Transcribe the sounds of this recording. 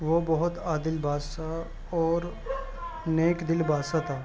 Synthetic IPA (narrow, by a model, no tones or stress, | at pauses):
ʋobɔɦʊt̪aːd̪ɪlbʱaːsa | ɔːɾ | neːkd̪ɪlbʱaːsat̪ʰaː